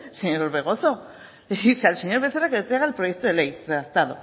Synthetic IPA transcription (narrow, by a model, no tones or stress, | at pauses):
seɲoɾoɾβe̞ɣ̞o̞θo̞ | ðiθealseɲoɾβe̞θeɾakelet̪ɾeɣ̞aelpɾo̞jekt̪oelejeðat̪aðo